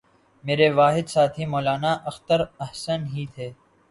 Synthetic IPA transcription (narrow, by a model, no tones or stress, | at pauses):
meːɾeʋaːɦɪd̪saːt̪ʰɦimɔːlaːnaʔɐxt̪əɾɐhsənɦiːt̪ʰeː